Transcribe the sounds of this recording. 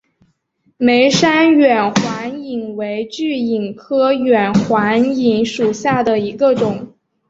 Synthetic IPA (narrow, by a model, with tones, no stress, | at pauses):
me˧˥ɪʂa˥nɥɛ˨˩nxwa˧˥ni˨˩ŋwe˧˥ɪt͡ɕy˥˩i˨˩ŋkʰɤ˥ɥɛ˨˩nxwa˧˥ni˨˧˩ŋʂu˨˩ɕja˥˩d̪ə˩i˧˥ɡə˧ʈ͡ʂʊ˨˩˦ŋ